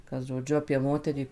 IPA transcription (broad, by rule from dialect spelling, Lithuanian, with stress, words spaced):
kɐt ʒoːˈd͡ʒʲʊ ɐpʲiɛ ˈmoːtʲɛrʲiː